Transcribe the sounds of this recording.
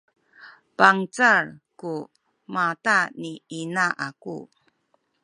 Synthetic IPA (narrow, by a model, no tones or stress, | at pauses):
paŋt͡sarku | mataniinaʔakṵ